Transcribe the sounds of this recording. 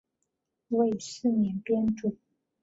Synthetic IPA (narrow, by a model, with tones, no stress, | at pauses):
we˥˩ɪ˨˩ʂɻ̩˥˩njɛ˧˥npjɛ˥nʈ͡ʂu˥˩